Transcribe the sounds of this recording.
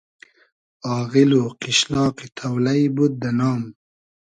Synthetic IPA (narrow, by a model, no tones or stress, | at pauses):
ɑːɣɪloqɪʃlɑːqit̪ʰawlajbud̪̚d̪ənɑːm